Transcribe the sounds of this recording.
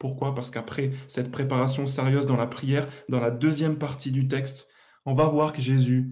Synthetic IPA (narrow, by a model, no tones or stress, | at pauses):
puʁkwapaʁsə̥kapχɛsɛt̪pχepaʁasjɔ̃seʁjøzd̪ɑ̃lapχijɛːʁd̪ɑ̃lad̪øzjɛmpaʁt̪id̪yt̪̬ɛkst̪ | ɔ̃vavwaʁkəʒezy